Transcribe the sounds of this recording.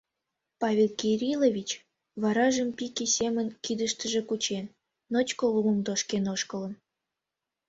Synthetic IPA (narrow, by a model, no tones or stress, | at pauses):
pɑvʲelkiɾʲilovʲit͡ɕ | βɑɾɑʒəmpikesʲemənkid̪əʃt̪əʒĕkut͡ɕenː | ot͡ɕkoluməmd̪oʃkenoʃkələn